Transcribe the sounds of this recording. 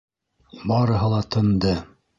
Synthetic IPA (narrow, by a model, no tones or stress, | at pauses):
bɑɾɤ̆ɦɤ̆lˠɑt̪ʰɤ̆nd̪ɤ